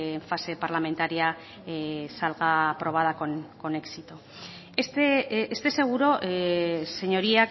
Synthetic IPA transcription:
eɱfase̞paɾlame̞nt̪aɾia | salɣaːpɾo̞β̞að̞akonko̞ne̞ksit̪o | est̪eest̪e̞se̞ɣ̞uɾo̞ʔese̞ɲo̞ɾia

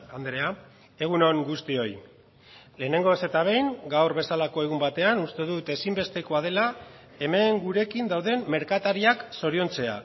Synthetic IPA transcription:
and̪ɾe̞a | e̞ɣuno̞ŋɡust̪io̞j | le̞ːne̞ŋɡo̞se̞t̪aβ̞e̞jŋɡawrβe̞salako̞e̞ɣ̞umbat̪e̞anust̪e̞ðut̪e̞simbe̞st̪e̞ko̞að̞e̞la | e̞me̞ŋɡuɾe̞kind̪awðe̞mmːe̞ɾkat̪aɾiakso̞ɾio̞nt͡se̞a̰

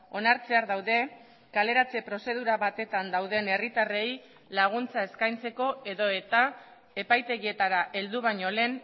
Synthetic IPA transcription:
o̞naɾt͡se̞aɾðawðe̞ | kale̞ɾat͡se̞pɾo̞se̞ð̞uɾaβat̪e̞t̪and̪awðe̞ne̞rit̪are̞j | laɣ̞unt͡sae̞skajnt͡se̞ko̞e̞ðo̞e̞t̪a | e̞pajt̪e̞ɣie̞t̪aɾaʔe̞ld̪uβ̞aɲo̞le̞n

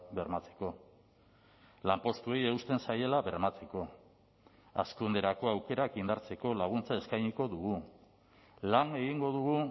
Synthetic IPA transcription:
be̞ɾmat͡se̞̥ko̞ | lampo̞st̪ue̞je̞ust̪e̞nsaje̞laβe̞rmat͡se̞ko̞ | a̰skund̪e̞ɾako̞awke̞ɾakind̪aɾt͡se̞ko̞laɣ̞unt͡sae̞skajɲiko̞ðuɣu | laŋe̞ɣiŋɡo̞ðuɣu

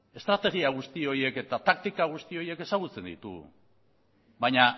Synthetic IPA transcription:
e̞st̪ɾat̪e̞ɣiaɣ̞ust̪io̞je̞ke̞t̪at̪ak̚t̪ikaɣ̞ust̪io̞je̞ke̞saɣ̞ut͡se̞nd̪ḭt̪ṵ | bajɲa

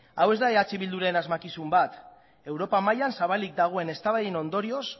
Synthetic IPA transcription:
awe̞zd̪aeat͡siβild̪uɾaenazmakisumbat̪ | e̞wɾo̞pamajansaβalik̚d̪aɣ̞o̞e̞ne̞st̪aβaðeno̞nd̪o̞ɾio̞s

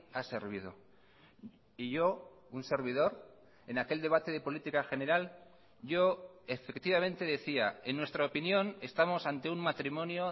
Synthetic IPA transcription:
ase̞ɾβið̞o̞̰ | iʝo̞ | unse̞ɾβ̞iðo̞ɾ | e̞nake̞ld̪e̞β̞at̪e̞ð̞e̞po̞lit̪ikaxe̞ne̞ɾal | ɟ͡ʝo̞efe̞kt̪iβ̞amẽ̞nt̪e̞ðe̞θiae̞nːwe̞st̪ɾaopinjõ̞ne̞st̪amo̞sant̪e̞ummat̪ɾimõ̞njo

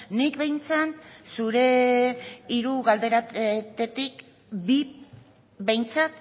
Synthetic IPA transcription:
nikβejnt͡sansuɾe̞ | iɾuɣald̪e̞ɾat̪e̞t̪ik | bi | be̞jnt͡sat̪

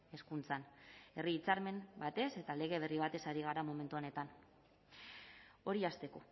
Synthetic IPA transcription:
e̞skunt͡sane̞riːt͡saɾme̞mbat̪e̞se̞t̪ale̞ɣ̞e̞β̞e̞riβ̞at̪e̞saɾiɣaɾamo̞me̞nt̪uo̞ne̞t̪an | o̞ɾiast̪e̞ko̞

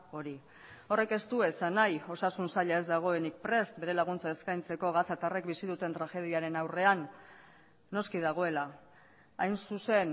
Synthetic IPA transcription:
o̞ɾi | o̞re̞ke̞st̪ue̞sanajo̞sasunsaʎae̞zd̪aɣ̞o̞e̞nik̚pɾe̞st̪be̞ɾe̞laɣ̞unt͡saeskajnt͡se̞ko̞ɣ̞asat̪are̞kbisiðut̪e̞nt̪ɾaʝe̞ð̞iaɾe̞nawre̞anː | o̞skið̞aɣ̞o̞e̞la | ajnsuse̞n

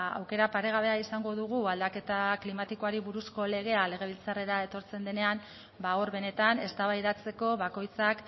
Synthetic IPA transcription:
a̰wke̞ɾapaɾe̞ɣ̞aβe̞aisaŋɡo̞ðuɣ̞uald̪ake̞t̪aklimat̪iko̞aɾiβuɾusko̞le̞ɣ̞e̞ale̞ɣ̞e̞β̞ilt͡sare̞ɾae̞t̪o̞ɾt͡se̞nd̪e̞ne̞am | baoɾβe̞ne̞t̪ane̞st̪aβajðat͡se̞ko̞βako̞jt͡sak

